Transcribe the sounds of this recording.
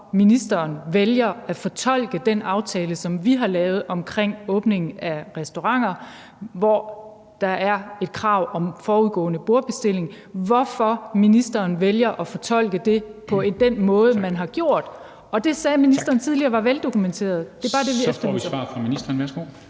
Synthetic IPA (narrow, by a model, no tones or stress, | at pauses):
minisd̥ɐːnʋeljɐæfɒ̽t͡sʰɒ̽l̰ɡ̥əd̥enɑ̈ʊt͡sʰɛːləsɒ̽mʋiɦɑ̈lɛːʊð̞̩ˠɒ̽mkʰʁeŋ̰ɔ̽ːb̥ne̝ŋn̩æʁɛsd̥o̝ʁɑ̈ŋ̰ɐ | ʋɒ | d̥ɑ̈ʔæɐe̝d̥̚kʰʁɑ̈ʊ̰ʔɒ̽mfɒːuðˠɡ̥ɔ̰̽ːnəb̥o̝ɐ̥b̥e̝sd̥e̝le̝ŋ | ʋɒfɒ̽minisd̥ɐːnʋeljɐʔɒ̽fɒ̽t͡sʰɒ̽l̰ɡ̥əd̥e̝pʰɒ̽e̝d̥enmɔ̽ːð̞ˠəmænɦɑ̈ɡ̥jo̝ɐ̰d̥ | ɒ̽d̥e̝sɛːminisd̥ɐːn̩t͡sʰið̞ˠliɐːʋɑ̈ʋeld̥o̝kʰument͡sʰe̝̰ːɐð̞̩ˠd̥e̝b̥ɑ̈ːd̥e̝ʋiefɐiɑ̰̈ːfʁɑminisd̥ɐnʋæɐsɡ̥o̰ː